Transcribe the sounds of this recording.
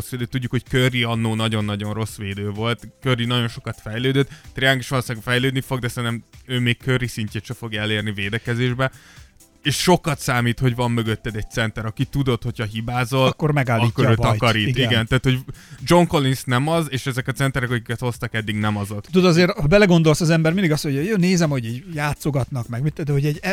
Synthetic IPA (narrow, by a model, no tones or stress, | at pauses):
osʋeːd̪øːt̪uɟːukhockøriɒnːoːnɒɟo̞nːɒɟo̞nro̞sʋeːd̪øːvo̞lt̪kørinɒɟo̞nʃo̞kɒt̪fɛjløːd̪øt̪t̪ɾiaːŋkiʃʋɒloːsaːɡofɛjløːd̪nifo̞ɡ̚d̪ɛsɛnɛmøːmeːkkørisiɲceːt̪ʃɛfo̞ɡjɛleːrniveːd̪ɛkɛzeːʒbɛ | eːʃʃo̞kɒt̪saːmiːt̪ho̞ɟvɒmːø̞ɡøt̪ːɛd̪ɛc̚t̪sɛnt̪ɛɾɒkit̪ud̪o̞t̪ho̞chɒɦibaːzo̞lkːormɛɡaːlɒikːoɾøːɒkɒɾiːiɡɛnt̪aːt̪ho̞ɟd͡ʒo̞ŋko̞linsnɛmɒzeːʃɛzɛkɒt̪sɛnt̪ɛɾɛkɒkikɛt̪ho̞st̪ɒkɛd̪ːiɡnɛmɒzot̪ːt̪ud̪ɒzeːɾbɛlɛɡo̞nd̪o̞lsɒzɛmbɛrmind̪iɡɒst̪ho̞ɟjoːneːzɛmho̞ɟiːɟjaːt̪soɡɒt̪nɒkmɛɡmit̪ːɛd̪ɛɦo̞ɟɛɟ